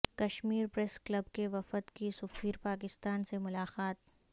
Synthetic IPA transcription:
kɐʃmiːɾpɾɛsklɐbkeʋɐfət̪kisʊfiːɾpaːk̬ɪst̪aːnsemʊlaːqaːt̪

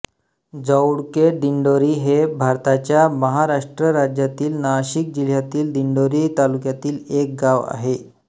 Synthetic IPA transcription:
d͡zəwɽkeɖ̪iɳɖoɾiːɦebʱaɾt̪at͡ɕjaməɦaɾaʂʈɾəɾad͡ʑjat̪iːlnaɕik̚d͡ʑil̤jat̪iːld̪iɳɖoɾiːt̪alukjat̪iːlek̚ɡaʋa̰ɦe

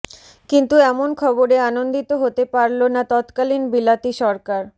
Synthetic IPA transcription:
kint̪uɛmonkʰɔboɾeanond̪it̪oɦot̪epaɾlonat̪ɔt̪kalinbilat̪iʃɔɾkaɾ

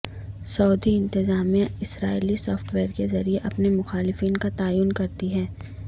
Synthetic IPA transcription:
sɔːd̪iɪ̃nt̪ɪzaːmijãɪsɾaːiːlisɔːfʈʋeːɾkezɐɾieʔɐpnemʊxaːlɪfiːnkat̪aːjuːnkɐɾt̪iɦɛː

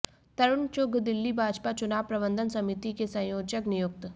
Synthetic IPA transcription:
t̪ɐɾʊɳt͡ʃʊɡʱd̪ɪlːibʱaːd͡ʒpat͡ʃʊnaːʋpɾɐbə̃nd̪ʱənsɐmit̪ikesɐ̃joːd͡ʒəknɪjʊk̚t̪

